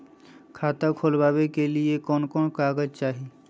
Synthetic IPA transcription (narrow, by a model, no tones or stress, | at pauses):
kʰaːt̪akʰolbaːbekelɪekɔːnkɔːnkaːɡəd͡ʒt͡ʃaːɦi